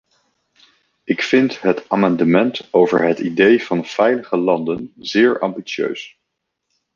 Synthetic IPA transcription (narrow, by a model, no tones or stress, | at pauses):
ɪkfɪntɦətaːmɑndəmɛntowvə̰ɹɦətidejv̥ɑnv̥ɛjləχəlɑndənzɪːɹɑ̰mbisø̰ɥs